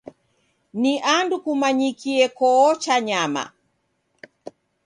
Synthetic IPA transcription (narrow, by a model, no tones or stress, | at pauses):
niʔandukumaɲikiɛkɔɔt͡ʃaɲama̰